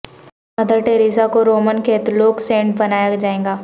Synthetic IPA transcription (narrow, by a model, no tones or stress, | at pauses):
ɐd̪əɾʈeːɾiːsakoɾoːmənkʰeːt̪loːksẽːɳʈbɐnaːjad͡ʒaːẽːŋɡaː